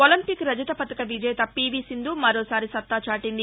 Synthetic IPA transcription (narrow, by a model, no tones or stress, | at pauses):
olɐmpikɾɐd͡ʒɐt̪ɐpɐt̪ɐkɐʋid͡ʒɐjt̪ɐpiːbisind̪umɐɾoːsaːɾisɐt̪ːaːt͡ʃaːʈind̪i